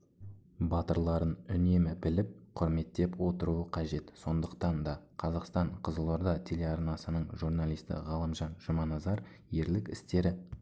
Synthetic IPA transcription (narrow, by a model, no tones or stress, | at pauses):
bɑt̪əɾlˠɑɾənʏne̞mɪbɪlɪp̚qʰʊɾme̞t̪ːe̞pwo̞t̪əɾuəqʰɑʒe̞t̪so̞nd̪əqt̪ɑnd̪ɑqʰɑzɑqst̪ɑɴqʰəzəlˠoɾd̪ɑt̪ʲʰe̞le̞ɑrnɑsənəɴʒurnɑlˠijst̪ɪ̰ʁɑlˠəmʒɑnʒ̥ʊmɑnɑzɑɾ | je̞ɾlɪkɪst̪e̞ɾɪ